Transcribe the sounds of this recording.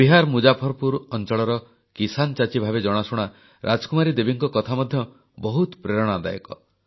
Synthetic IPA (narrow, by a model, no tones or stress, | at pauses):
biɦaɾmud͡ʒapʰɔɾpuɾɔnt͡ʃɔɭɔɾɔ | kisant͡ʃat͡ʃibʱabed͡ʒɔɽ̃asuɽ̃a | ɾʔad͡ʒɔkumaɾid̪ebiŋkɔkɔt̪ʰamɔd̪ʱjɔ | bɔɦut̪pɾeɾɔɽ̃ɔad̪a̰jɔ̰kɔ̰